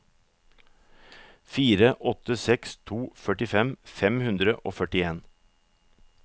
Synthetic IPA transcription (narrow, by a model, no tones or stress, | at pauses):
fiːɾəʔɔt̪əsɛkst̪ʰuːfœʈɪfɛmfɛmhʉnd̪ɾəʔoːfœʈɪeːn